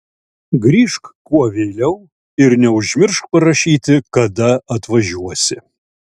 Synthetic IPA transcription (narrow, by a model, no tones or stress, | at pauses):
ɡɾʲiːʃkkuɔʋʲeːlʲɛʊ | ɪɾnʲɛʊʒʲmʲɪɾʃk̚pɐɾɐʃʲiːt̪ʲɪkɐd̪ɐɐt̪ʋɐʒʲuɔsʲɪ